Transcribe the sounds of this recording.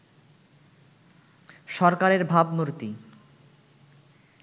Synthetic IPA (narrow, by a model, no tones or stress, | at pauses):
ʃɔɾkaɾeɾbʱabmuɾt̪i